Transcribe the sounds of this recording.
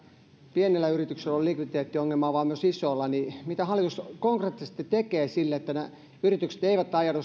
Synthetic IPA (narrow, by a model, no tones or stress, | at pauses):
pienelːæyrit̪ykselːollikʋid̪t̪eːt̪ːioŋːelmɑːʋɑːmyøsisoːlːɑnimit̪æhɑlːˑit̪uskoŋkret̪ːise̥st̪ːit̪ekeːsilːeet̪ːæne | yrit̪ykse̥t̪eiʋæt̪ːɑijɑnu